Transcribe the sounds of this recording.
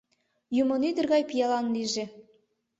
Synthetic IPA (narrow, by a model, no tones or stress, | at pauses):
jumonid̪ɘ̆rɣɑjpijɑlˠɑnlʲiʒĕ